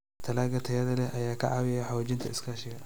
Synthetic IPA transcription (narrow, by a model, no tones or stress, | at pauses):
t̪ʰɐlaːɣɐt̪ʰɐjɐðɐlɛhʔɐjaːkʰɐ̰ʕɑ̰ːwɪjɛjħɔwd͡ʒɪnt̪ʰɐɪskʰaːʃɪɣɐ